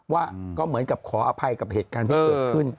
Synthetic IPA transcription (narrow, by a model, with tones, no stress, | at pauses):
waː˥˩kɔː˥˩mɯ˩˦ənka˨˩p̚kʰɔː˩˦ʔaː˧pʰa˧jka˨˩p̚heː˨˩t̪̚kaː˧nt̪ʰiː˧˥˧ɯ˥˩n